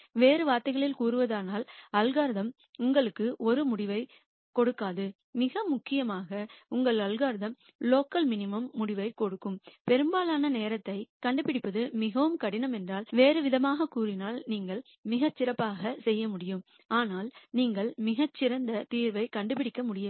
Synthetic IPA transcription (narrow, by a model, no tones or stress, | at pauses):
ʋeːɾɯʋaːɾt̪ːɐɣɐɭɪlkuːɾɯʋɐðaːnaːlɐlɣaːɾɯðɐm | ʊŋɡɐɭɯkːɯʔɔɾɯmʊɽɪʋɐɪ | kɔɽɯkːaːðɯ | mɪɣɐmʊkːɪjɐmaːɣɐʊŋɡɐɭɐlɣaːɾðɐm | loːkːɐlmɪnɪmɐmːʊɽɪʋɐɪkɔɽɯkːɯmpɛɾɯmbaːlaːnɐneːɾɐt̪ːɐɪkɐɳɖɯpːɪɽɪpːɐðɯmɪɣɐʋɯmkɐɽɪnɐmɛndraːlʋeːɾɯʋɪðɐmaːɣɐkuːɾɪnaːlniːŋɡɐɭ | mɪɣɐt͡ʃːɪɾɐpːaːɣɐsɛjːɐmʊɽɪjɯm | aːnaːlniːŋɡɐɭmɪɣɐt͡ʃːɪɾɐnd̪ɐt̪iːɾʋɐɪkɐɳɖɯp̬ɪɽɪkːɐmʊɽɪjɯm